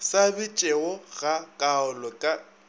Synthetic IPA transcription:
sabɪt͡ʃʼeɔɣ̥akʼaʊlɔkʼa

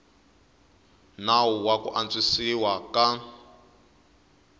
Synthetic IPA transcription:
nawuwakṵʔant͡sʼisiwaka

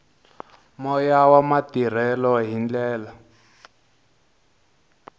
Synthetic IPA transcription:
mɔjawamatir̤ɛlɔɦind͡ɮɛːla

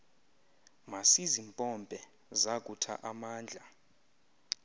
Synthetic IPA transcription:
masizimpʼɔmpʼɛ | zakʼutʰa̰ʔamaːnd͡ɮʱa

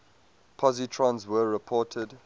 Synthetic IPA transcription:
pʰɔzitʰɹãnzwəːɹɪpʰɔˑtʰəd

